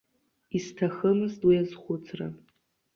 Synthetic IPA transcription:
istʰaxəmɨztwiazχʷʊt͡sʰra̰

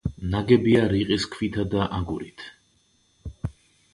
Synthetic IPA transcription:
naɡɛbiaɾiqʼiskʰvit̪ʰad̪aʔaɡuɾit̪ʰ

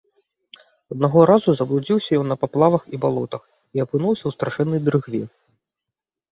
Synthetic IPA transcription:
ɐd̪̚naɣɔɾazuzɐblˠud͡zʲiwsʲɐjɔnːɐpaplˠavɐxibalˠɔt̪ɐx | iɐpɨnuwsʲɐwst̪ɾaʂɛnːɐjd̪ɾɨɣvʲi

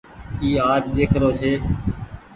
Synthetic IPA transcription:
iːaːd͡ʒɗeːkʰɾoːt͡ʃʰeː

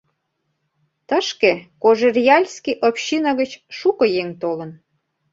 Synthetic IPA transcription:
t̪əʃkekoʒerjɑlʲskiʔopɕinɑɣət͡ɕʃukɤ̆jeŋt̪olə̆n

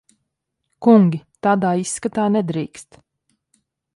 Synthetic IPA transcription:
kuŋɡʲit̪aːd̪aːisːkat̪aːnɛd̪ɾiːkst̪

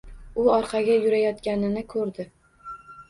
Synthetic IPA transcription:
ʊɒɾqʰɑɡʲajʊɾajɒt̪kʲanɪnɪkʰɵɾd̪ɪ

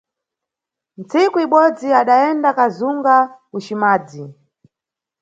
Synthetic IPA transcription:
n̩t͡sikuiɓɔd͡ziaɗaɛndakazuŋɡakuʃimaːd͡zi

